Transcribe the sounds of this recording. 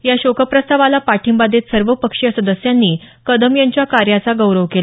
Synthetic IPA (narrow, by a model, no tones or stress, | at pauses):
jaɕokʰəpɾəst̪aʋalapaʈʰimbad̪et̪səɾʋəpəkʂjəsəd̪əsjanːiː | kəd̪əmjaɲt͡ɕjakaɾjat͡saɡəwɾəʋkela